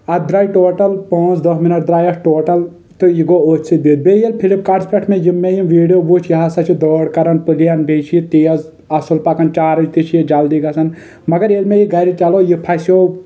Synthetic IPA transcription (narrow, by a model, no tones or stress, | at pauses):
ɐd̪ɾaːjʈoːʈɐlpõːt͡ʃʰd̪ɐɦminɐʈ̚d̪ɾaːjɐʈʈoːʈɐl | t̪ojiɡooːt͡ʃsibid̪̚beːjɐlpʰilipkaɖspeʈʰmẽjimːejimʋiːɖijoːbut͡ʃʰjɐɦasɐt͡ʃʰid̪oːɽkɐɾɐnpɨlijɐnbʱeːt͡ʃʰit̪iːɐz | ɐsulpɐkɐnt͡ʃaːɾɐd͡ʒt̪it͡ʃʰjid͡ʒɐld̪iɡɐsɐn | mɐɡɐɾeːlmejiɡɐɾit͡ʃɐlojipʰɐsjoː